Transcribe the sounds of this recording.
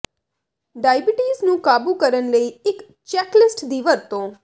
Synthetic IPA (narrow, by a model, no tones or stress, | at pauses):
ɖajbiʈiznũkabũkəɾənləiek | t͡ʃɛklɪsʈd̪iʋəɾt̪o